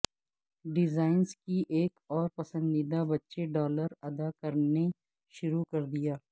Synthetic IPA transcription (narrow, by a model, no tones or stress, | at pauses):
ɖɪzaːɪnzkiʔeːkɔːɾpɐsə̃nd̪id̪abɐtːʃeɖɔːləɾɐd̪akɐɾne | ʃʊɾukɐɾd̪ijaː